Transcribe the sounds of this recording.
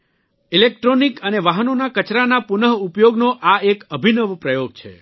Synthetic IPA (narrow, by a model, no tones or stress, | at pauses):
ilek̚ʈɾonikəneʋaɦənonakət͡ʃɾanapunəɦupjoɡnoʔaekəbʱinəʋpɾəjoɡt͡ʃʰḛ